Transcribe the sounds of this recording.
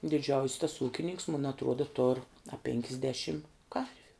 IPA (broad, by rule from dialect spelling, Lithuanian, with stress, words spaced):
dʲɪˈd͡ʒʲɛʊsʲ tɐs ˈuːkʲɪnʲɪŋks mʊn ɐtˈruɔdɐ toːr ɐ pʲeːŋʲkʲɪzʲˈdʲeːʃʲɪm ˈkɐrʲʋʲʊ